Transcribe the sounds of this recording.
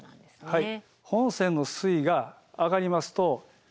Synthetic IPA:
hai | hõ̞ɰ̃sẽ̞nːo̞sɨiɡaː | ɡaɾʲimasɨ̥t̪o̞

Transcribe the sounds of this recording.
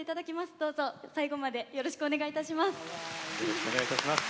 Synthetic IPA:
eit̪ad̪akʲimasɨ̥d̪o̞ːzo̞saiɡo̞mad̪e̞jo̞ɾo̞ɕi̥kɯo̞ne̞ɡait̪aɕimasɨ̥joɾoɕkɯoneait̪aɕimas

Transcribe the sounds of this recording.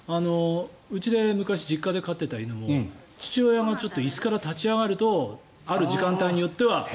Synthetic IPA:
ano̞ | ɯ̟t͡ɕid̪e̞mɯ̟kaɕid͡ʑikːad̪e̞kat̪ːe̞t̪ainomo̞ | t͡ɕi̥t͡ɕiojaŋat͡ɕo̞t̪ːo̞isɨ̥kaɾat̪at͡ɕiaɡaɾɯ̟t̪o̞ | aɾɯ̟ʑikãnt̪aiɲ̟ijo̞t̪ːe̞βa

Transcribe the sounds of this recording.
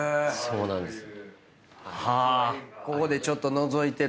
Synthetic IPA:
so̞ːnã̰nd̪es | hakoko̞d̪e̞t͡ɕo̞t̪ːo̞no̞zo̞it̪e̞

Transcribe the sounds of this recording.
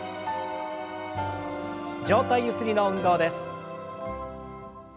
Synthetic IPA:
d͡ʑo̞ːt̪aijɯ̟sɨɾʲino̞ɯ̟̃nd̪o̞ːd̪e̞sɨ̥

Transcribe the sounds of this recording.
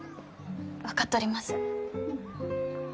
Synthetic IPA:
βakat̪ːeoːɾʲimasɨ̥

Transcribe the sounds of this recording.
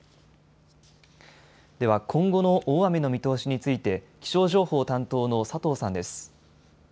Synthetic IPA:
d̪̥e̞β̞akʰõ̞ŋɡo̞no̞ʔoːame̞no̞mʲit̪o̞ːɕiɲ̟it͡sɨit̪e̞kʲi̥ɕo̞ːʑo̞ːho̞ːt̪ãnt̪o̞ːno̞sat̪o̞ːsãnd̪e̞sɨ̥

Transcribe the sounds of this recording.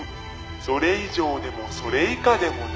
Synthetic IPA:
so̞ɾe̞iʑo̞ːd̪e̞mo̞so̞ɾe̞ikad̪e̞mo̞n

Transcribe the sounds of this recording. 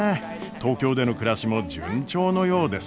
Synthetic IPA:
e | t̪o̞ːkʲo̞ːd̪e̞no̞kɯ̟ɾaɕimo̞d͡ʑɯ̰̃ɲt͡ɕo̞ːno̞jo̞ːd̪e̞s

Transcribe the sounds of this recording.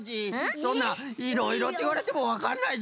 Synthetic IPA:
ɕisõ̞nːa | iɾo̞iɾo̞t̪ːeiβaɾe̞t̪e̞mo̞βakaɾnai

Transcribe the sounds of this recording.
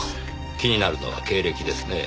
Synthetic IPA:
kʲiɲ̟inaɾɯ̟no̞̰βa̰ke̞ːɾe̞kʲid̪e̞sɨne̞

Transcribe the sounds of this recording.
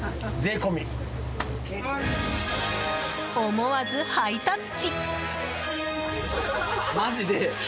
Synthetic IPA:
d͡ze̞ːkomʲi | omoβazɨhait̪ãnt͡ɕi | maʑid̪e

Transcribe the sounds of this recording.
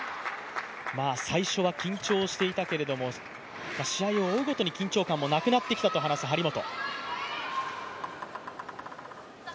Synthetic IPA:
maːsaiɕo̞βakʲĩɲ̟t͡ɕo̞ːɕi̥t̪e̞it̪ake̞ɾe̞d̪o̞mo | maɕiaio̞ːiɡo̞t̪o̞ɲ̟ikʲĩɲ̟t͡ɕoːkãmːo̞nakɯ̟nat̪ːe̞kʲi̥t̪at̪o̞ɦanasɨɦaɾʲimo̞t̪o̞̰

